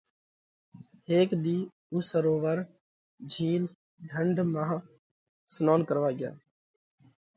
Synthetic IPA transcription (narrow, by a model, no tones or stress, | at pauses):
ɦeːkd̪iː | usəɾoːʋəɾ | d͡ʒʱiːl | ɖʱəɳɖʱmãːɦ | snoːnkəɾʋaːɡɪja̰ː